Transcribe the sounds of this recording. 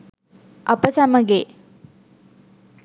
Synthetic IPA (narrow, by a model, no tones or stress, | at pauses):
ɐpəsaməɡe